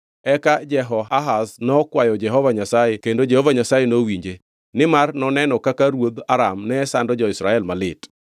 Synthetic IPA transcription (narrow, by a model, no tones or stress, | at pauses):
ɛkad͡ʒɛɦɔaɦasnɔkwajɔd͡ʒɛɦɔvaɲasajekendod͡ʒɛhovaɲasajenowiɲd͡ʒe | nɪmarnɔnɛnɔkakaɾwod̪aɾamnɛːsandɔd͡ʒɔɪsɾaɛlmalɪt